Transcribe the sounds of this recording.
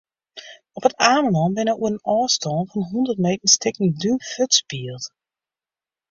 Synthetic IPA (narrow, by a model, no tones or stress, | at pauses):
ɔpətaːmənɔnbɪnəuənənɔːstɔːnfɔnɦundərt̚mejtən̩stɪkən̩dyføtspiəlˠt